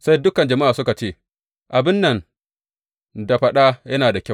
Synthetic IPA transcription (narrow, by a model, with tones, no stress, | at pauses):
sa˦jdʊ˦kɐ˨nd͡ʒɐ˨ma˦ʔaː˨sʊ˦ka˨t͡ʃeː˦ | ʔa˨bɪ˦nːɐ˨n | da˨ɸɐ˦ɗa˦jɐ˦naː˨da˨kʲɐ˦